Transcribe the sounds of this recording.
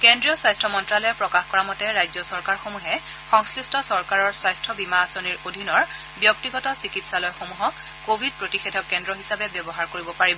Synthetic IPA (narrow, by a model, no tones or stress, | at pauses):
kendɹijɔswajstʰɔmɔntɹalɔjɛpɹɔkaxkɔɹamɔtɛɹajzɔsɔɹkaɹxomuɦɛ | xɔŋslistɔsɔɹkaɹɔɹswajstʰɔbimaːsoniɹodʱinɔɹ | bjɔktiɡɔtɔsikitsalɔjxomuɦɔkː | obʱid̚pɹotixedʱɔkːɛndɹɔɦisabɛbjɔbɔɦaɹkoɹibɔpaɹibɔ